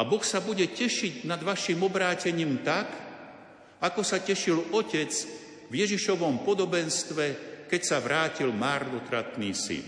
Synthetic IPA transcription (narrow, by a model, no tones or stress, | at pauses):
abɔxsabuɟɛcɛʃiɟnad̪ʋaʃimɔbɾaːcɛɲiːmt̪ak | akɔsacɛʃilɔcɛt͡s | vjɛʒiʃɔʋɔmpɔd̪ɔbɛnst̪ʋɛkɛcsaʋɾaːcilmaːɾd̪ɔt̪ɾat̪niːsḭn